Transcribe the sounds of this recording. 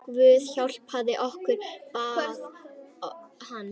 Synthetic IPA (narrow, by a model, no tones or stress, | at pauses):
kvʏːðçawl̥phaðɪʔɔhkʏɾa | hanː